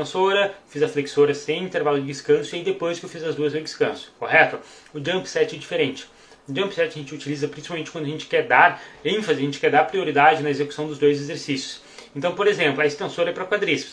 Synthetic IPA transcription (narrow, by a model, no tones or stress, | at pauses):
t̪ẽsoɾɐfizɐfleksoɾɐsẽj̃ĩnt̪eɾvalʊd͡ʒɪd͡ʒɪskɐ̃sʊiaid̪epojskewfizɐzd̪uɐzẽwd͡ʒɪskɐ̃sʊ̥kohɛt̪ʊ | ʊd͡ʒɐ̃mpsɛt͡ʃɛd͡ʒifeɾẽnt͡ʃɪ̥ | ʊd͡ʒɐ̃mpsɛt͡ʃɪɐʒẽnt͡ʃɪut͡ʃilizɐpɾĩsi̥pawmẽnt͡ʃɪkwɐ̃d̪ɐʒẽt͡ʃɪ̥kɛɾd̪aɾẽfɐzɪɐʒẽnt͡ʃɪ̥kɛɾd̪aɾpɾioɾid̪ad͡ʒɪnɐezekusɐ̃w̃d̪ʊzd̪ojzezeɾsisjʊ̥s | ẽnt̪ɐ̃w̃poɾezẽmplʊɐest̪ẽsoɾɐɛpɾɐkwad̪ɾis